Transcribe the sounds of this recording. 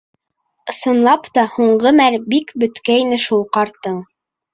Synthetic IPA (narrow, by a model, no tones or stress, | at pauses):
ɤ̆sɤ̆nlˠɑpt̪ɑhuɴɢɤmæɾbikbɵ̆t̪kæinɘʃulˠqɑɾt̪ɤɴ